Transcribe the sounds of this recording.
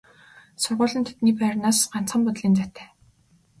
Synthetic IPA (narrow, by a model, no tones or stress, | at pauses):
sʊrʁʊːɮə̆nt̪ʰe̥t̪niːpæːrnaːsɢan̥t͡sχə̆mpʊt̪ɮiːnt͡sat̪ʰæ̥ː